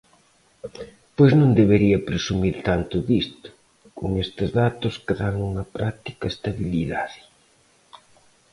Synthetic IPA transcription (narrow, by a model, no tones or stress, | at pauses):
pojznõnd̪eβeɾiɐpɾesumiɾt̪ant̪ʊðist̪ʊ̥ | kʊ̰ŋest̪ɪzðat̪ʊskɪðaŋuŋɐpɾʔak̚t̪i̥kɐest̪aβiliðaðɪ